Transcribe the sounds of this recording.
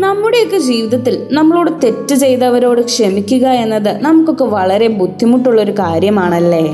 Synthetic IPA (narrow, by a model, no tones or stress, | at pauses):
nɐmːuɽe̞jokːed͡ʑiːʋiðɐt̪ːilnɐmːɐɭoːɽɨt̪e̞tːɨt͡ɕe̞jt̪ɐʋɐɾo̞ːɽɨkʂemikʲːuɣɐe̞nːɐðɨnɐmukːo̞kːe̞ʋɐɭɐɾe̞bud̪ʱːimuʈːuɭːɐo̞ɾukaːɾjɐmaːɳɐlːe̞ː